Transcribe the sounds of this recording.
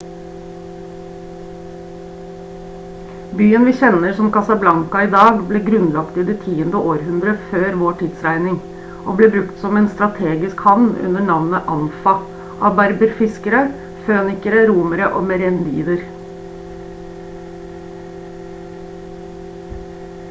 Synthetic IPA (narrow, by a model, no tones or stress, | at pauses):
byːənʋiːçɛnəɾsɔmkɑsɑblɑŋkɑiːd̪ɑːɡbleːɡɾʉnlɑkt̪iːd̪ɛt̪ʰiːənd̪əʔoːɾhʉnd̪ɾəføːɾʋoːʈʰid̪sɾæɪnɪŋ | ʔoːbleːbɾʉkt̪sɔmɛːnst̪ɾɑt̪ʰeːɡɪskhɑʋnʉ̰nəɳɑʋnəʔɑnfɑ | ʔɑːʋbæɾbəɾfɪskəɾə | føːnɪkəɾəɾuːməɾəʔo̰ːmɛɾɛnd̪ḭːd̪əɾ